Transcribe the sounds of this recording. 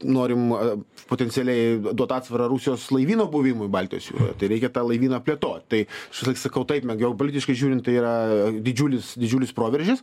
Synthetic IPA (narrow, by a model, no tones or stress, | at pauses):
noːɾʲɪmɐpoːt̪ʲɛnʲsʲɪɛlʲɛɪd̪uɔt̪ɑːt̪sʋɐɾɐɾuːsʲɪjoːslˠɐɪʋʲiːnoːbʊʋʲɪmʊɪbɑlʲt̪ʲɪjoːsjʲṵːɾo̰jt̪ɐɪɾʲɛɪkʲɛt̪ɑːlˠɐɪʋʲiːnɐpʲlʲeɛt̪oːt̪̚ʲt̪ɐɪʃʲsʲlʲˠɐkʲsɐkɐʊt̪ɐɪpmʲɛɡʲoːpoːlʲɪt̪ʲɪʃkɐɪʒʲuːɾʲɪntt̪ɐɪiːɾɐd̪ʲɪd͡ʒʲuːlʲɪsd̪ʲɪd͡ʒʲuːlʲɪspɾoːʋʲɛɾʲʒʲɪs